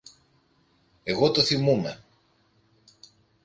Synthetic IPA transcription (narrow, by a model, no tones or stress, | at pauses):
eɣo̞t̪oθimume̞